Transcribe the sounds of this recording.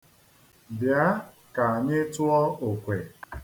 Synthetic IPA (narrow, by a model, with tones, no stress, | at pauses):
bja˦ | ka˨a˨ɲɪ˦tʊ˦ɔ˦o˨kʷe˨